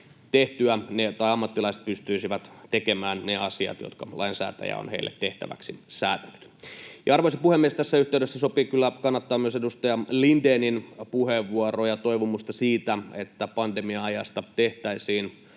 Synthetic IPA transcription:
t̪eht̪yænet̪ɑiɑmːɑt̪ːilɑise̥t̪̚pyst̪yisiʋæt̪t̪ekemæːnneɑsiɑ̰t̪jo̰t̪kɑlʔɑ̰insæ̰ːt̪æ̰jæ̰o̰nheilːʔḛt̪ːeht̪æ̰ʋæ̰ksisæːt̪æny̥t̪jɑɑrʋoisepuhemːiest̪æsːæyht̪eydesːæsopikylːækɑnːɑt̪ːɑːmyøsedust̪ɑjɑlindeːninpuheʋːuorojɑt̪oiʋumust̪ɑsiːt̪æet̪ːæpɑndemiɑɑjɑst̪ɑt̪eht̪æisiːn

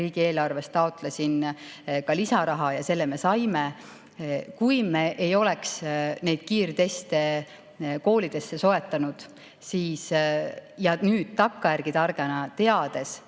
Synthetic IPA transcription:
iːɡ̥ie̞ːlɑrve̞st̪ɑot̪ˑlesʲin | kɑlisɑɾɑɦɑjɑse̞lːeme̞sɑjme | kujme̞ʔejo̞le̞ksne̞jd̪̥̚kiːrt̪e̞st̪e̞ | ko̞ːlid̪̥e̞sːe̞so̞e̞t̪ːˑɑnud̪̥ | siːs | jɑnyːd̪̥̚t̪ɑkːɑjærɡ̥it̪ɑrɡ̥enɑt̪e̞ɑd̪̥e̞s

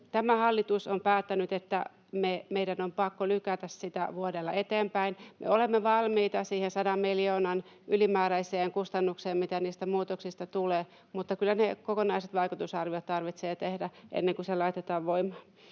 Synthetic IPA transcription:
t̪æmæhɑlːit̪usompæːt̪ːænyt̪et̪ːæ̰ | memeidænompɑkːolykæt̪æssit̪æ̰ʋuodelːɑ̰et̪eːmpæinmʔḛolemːeʋɑlmiːt̪ɑsiːhensɑdɑmmiljoːnɑn | ʔylimæːɾæiseːŋkust̪ɑnːukseːmmit̪æniːst̪æmuːt̪oksist̪ɑt̪uleː | mut̪ːɑkylːænekokonɑiset̪ʋɑikut̪usɑrʋiot̪t̪ɑrʋit̪seːt̪ehdæʔḛnːeŋkuselɑit̪et̪ɑːʋʋoimɑ

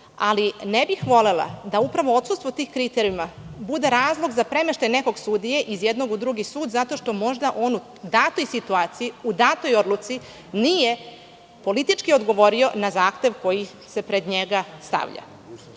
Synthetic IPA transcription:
alinebixʋo̞le̞la̰d̪aupɾaʋo̞ot̪sust̪ʋot̪iːxkɾit̪eɾijumabud̪e̞ɾaːzlˠo̞ɡzapɾe̞meʃt̪ajneko̞ɡsud̪ije̞ʔizjed̪no̞ɡud̪ɾuɡisuːd̪zat̪o̞ʃt̪o̞mo̞ʒd̪aʔo̞ːnu | d̪at̪o̞jsit̪uaːt̪sijiud̪at̪o̞jo̞d̪lut̪si | nije̞ | po̞lit̪it͡ʂkio̞d̪ɡo̞ʋo̞ɾio̞nazaːxt̪e̞ʋko̞ji | se̞pɾe̞d̪ɲeɡast̪a̰ʋʎa̰

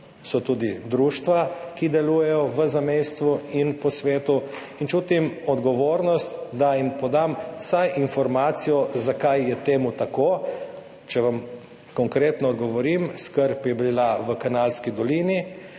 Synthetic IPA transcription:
sɔt̪uːd̪id̪ɾuːʃt̪ʋakid̪ɛluːjɛjɔʋəzamejst̪ʋuinpɔsʋeːt̪u | int͡ʃuːt̪imɔd̪ɡɔʋoːɾnɔst̪d̪ajimpɔd̪amsajʔinfɔɾmaːt̪sijɔzakajjɛt̪eːmut̪ako | t͡ʃɛʋam | kɔŋkɾeːt̪nɔɔːd̪ɡɔʋɔɾimskəɾpɛbilaʋəkanalskid̪ɔliːni

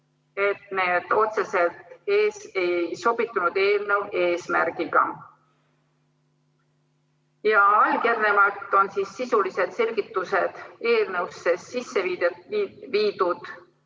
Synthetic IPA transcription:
e̞t̪ne̞ːd̪̥o̞t̪se̞se̞lt̪eːse̞jjso̞b̥it̪ːˑunud̪̥e̞ːlne̞we̞ːsmæ̰rɡ̥iɡ̥ɑ̰ | jɑɑlɡ̥ernemɑt̪ːˑo̞nsiːsːisulise̞d̪̥se̞lʲɡit̪ːˑuse̞d̪̥e̞ːlnewsːessisːevid̪eviːd̪ud̪̥

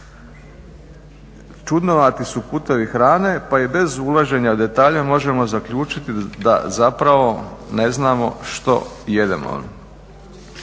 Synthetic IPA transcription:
t͡ʃud̪noʋat̪isupuːt̪eʋixɾaːne̞paibe̞zulˠaʒe̞ɲaud̪e̞t̪aːʎamo̞ʒe̞mo̞zakʎuːt͡ʃit̪id̪a̰zapɾaʋo̞neznaːmo̞̰ʃt̪o̞̰ | je̞d̪ḛmo̰

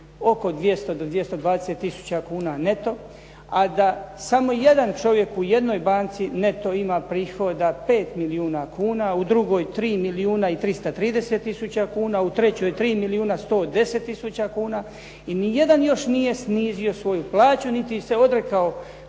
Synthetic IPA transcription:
o̞ko̞d̪ʋje̞st̪od̪od̪ʋjest̪od̪ʋaːd̪eset̪ːisu̥t͡ɕakuːnane̞t̪o̞ | ad̪asamo̞jed̪ant͡ʃo̞ʋje̞kuje̞d̪no̞jbaːnt̪sine̞t̪o̞imaːpɾiːxo̞d̪ape̞ːt̪miliuːnakʰuːnaud̪ɾuɡojt̪ɾiːmiliuːnait̪ɾist̪at̪ɾiːd̪e̞set̪ːisut͡ɕakuːnaut̪ɾe̞t͡ɕo̞ːjt̪ɾiːmiliuːnast̪o̞ːd̪e̞set̪ːisut͡ɕakuːna | inije̞d̪anjo̞ʃnije̞sniːzio̞sʋo̞juplaːt͡ɕunit̪ise̞o̞d̪ɾe̞kao

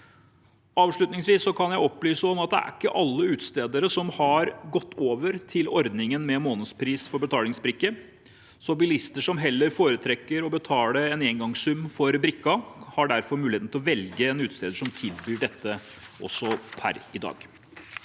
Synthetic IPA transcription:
ɑːʋʂɭʉt̪nɪŋsʋiːsːɔkʰɑnjæɪɔpːlyːsəɔmɑt̪̚d̪ɛ̰æ̰ɾɪkːəʔɑlːəʉːt̪st̪eːd̪əɾəsɔmhɑɾɡɔt̪ːoːʋəɾt̪ʰɪlɔɾd̪nɪŋənmɛmoːnəd̪spʰɾiːsfɔɾbət̪ʰɑːlɪŋsbɾɪkːə | sɔbɪlɪst̪əʂɔmɦɛlːəɾfoːɾət̪ʰɾɛkːəɾɔbət̪ʰɑːləɾɛneːŋɡɑŋsʉmfɔɾbɾɪkːɑhɑɖæɾfɔɾmʉːlɪeːnʰɪlɔʋɛlɡəɛnʉːt̪st̪eːd̪əʂɔmt̪ʰɪlbyːɖɛt̪ːə | ʔɔ̰sːɔpʰæ̰ɾɪd̪ɑ̰ːɡ̥

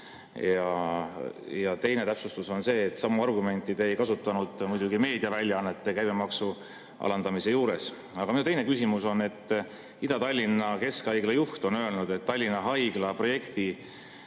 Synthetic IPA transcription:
jɑ | jɑt̪e̞jne̞t̪æpsust̪uso̞nse̞ːt̪ːˑsɑmːuɑrɡume̞nʲt̪ˑːid̪̥e̞jkɑsut̪ːˑɑnud̪̥mujd̪̥uɡime̞ːd̪iɑvælʲjɑɑnːe̞t̪ːe̞kæjbemɑksu | ɑ̰lɑnd̪ɑmise̞juːɾe̞s | ɑɡ̥ɑminut̪e̞jne̞kys̬ʲimuso̞ne̞t̪ːˑ | id̪̥ɑt̪ɑlʲːinːɑke̞skɑjɡ̥lɑjuht̪o̞nø̞e̞lnud̪̥e̞t̪ːɑlʲːinːɑɦɑjɡ̥lɑpro̞je̞kt̪i

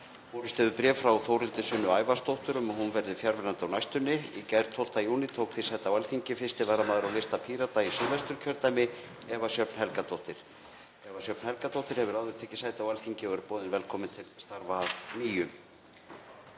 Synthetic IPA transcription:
fɔwɾɪst̪ɛðʏpɾɛːvfɾawθowɾɪnt̪ɪsʏnːʏaːjvast̪owht̪ʏɾʏmhunvɛɾðɪfjaɾvɛɾant̪ɪawnajst̪ʏnːɪicɛðɾt̪ʰowl̥t̪ajuːnɪt̪ʰoːwkθisajt̪awalθiɲcɪfɪst̪ɪvaɾamaːðʏɾawlest̪apʰiːɾat̪aisʏvast̪ʏɾ̥cʰœɾt̪ajmɪ | ɛvasjœpn̥hɛlkat̪ʰowht̪ɪɾ̥ | ɛvasjœpnhɛlkat̪owht̪ɪɾ̥hɛvʏɾaðvʏɾ̥t̪ʰɛhcːɪ̥saːjt̪awalθiɲcɪɔɣɛɾʏ̥pɔːðɪnvɛlkʰɔːmɪnt̪ʰɪlst̪aɾvaniːjʏm

